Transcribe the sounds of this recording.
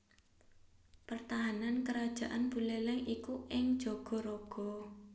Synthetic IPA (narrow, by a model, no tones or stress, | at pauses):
pərt̪aɦanankəɾad̥ʒ̥a̤ʔanb̥ulɛlɛŋikuɪŋd̥ʒ̥oɡ̥ɔ̤ɾoɡ̥ɔ̤